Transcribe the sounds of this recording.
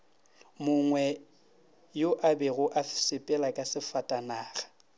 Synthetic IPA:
mʊŋwɛ | joʔabɛɣʊʔafsɪpʼɛlakʼasɪfatʼanaːɣḁ

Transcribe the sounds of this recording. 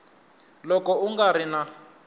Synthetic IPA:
lɔkɔuŋɡaɾina

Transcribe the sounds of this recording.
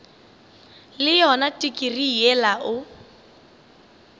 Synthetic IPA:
lɪjɔnatʼikʼirijɛlaʔʊ

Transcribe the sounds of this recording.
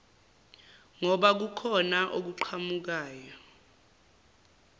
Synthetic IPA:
ŋɔɓak̬ukʰɔnaʔok̬uǃʰamuk̬aːjɔ

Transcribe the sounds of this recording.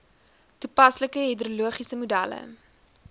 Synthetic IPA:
tupɐsləkəɦidɾuluəχisəmudælə̰

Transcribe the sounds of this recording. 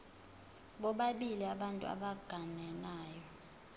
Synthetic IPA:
ɓɔɓaɓiliaɓantʼṵa̰ɓaɡ̥ʱanɛnaːjɔ

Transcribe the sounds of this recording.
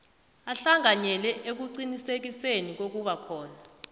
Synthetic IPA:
aɬaŋaɲɛlɛʔek̬uǀinisek̬isenik̬ok̬uɓakʰɔːna

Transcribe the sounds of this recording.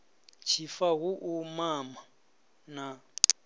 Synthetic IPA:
t͡ʃʰifaɣuʔumama | na

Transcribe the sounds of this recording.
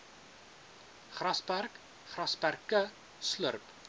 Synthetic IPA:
χrɐspærk | χrɐspærkə | slərp

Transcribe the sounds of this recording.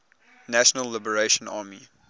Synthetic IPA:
næʃənəlːɪbəɹeʃə̃nɑːmi

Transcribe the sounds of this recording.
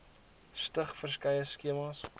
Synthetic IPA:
stəχfərskɐjəskiəmɑs

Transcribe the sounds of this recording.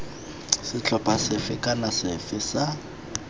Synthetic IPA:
sɪt͡ɬʰɔpʼasɪfɪkʼanasɪfɪsa

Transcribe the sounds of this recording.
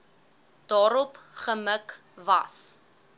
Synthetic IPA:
d̥ɑːɾɔpχəmək | vɐ̰s

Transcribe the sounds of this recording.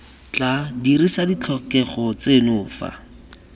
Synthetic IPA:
t͡ɬadirisadit͡ɬʰɔkɛχɔt͡senʊːfa̰

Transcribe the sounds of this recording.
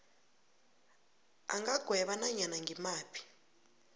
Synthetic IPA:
a̰ŋɡaɡ̥ʱwɛɓanaɲanaŋɡʱimaːpʰi̥

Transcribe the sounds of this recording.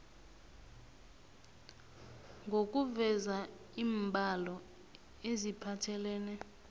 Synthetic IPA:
ŋɡʱok̬ʼuvɛza | iːmbʱalɔ | ezipʰatʰɛlɛːnɛ

